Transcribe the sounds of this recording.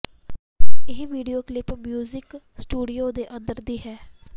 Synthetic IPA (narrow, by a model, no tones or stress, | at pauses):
ɪɦʋiːɖijoːklɪpmjuːzɪk | sʈuːɖioːd̪eːʔə̃nd̪əɾd̪iːɦɛː